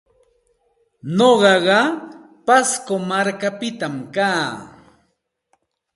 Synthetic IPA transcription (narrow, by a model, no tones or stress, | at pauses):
noɢɑɢɑ | paskomaɾkapɪt̪amkaː